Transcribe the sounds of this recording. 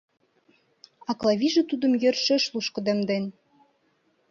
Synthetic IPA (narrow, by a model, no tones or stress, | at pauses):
ɑklˠɑβʲiʒĕt̪ud̪ə̆mjørʃĕʃluʃkɤ̆d̪ĕmd̪en